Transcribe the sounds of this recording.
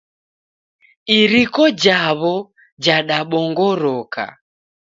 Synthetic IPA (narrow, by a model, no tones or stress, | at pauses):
iɾikɔd͡ʒaβɔ | d͡ʒaɗaɓɔŋɡɔɾɔka̰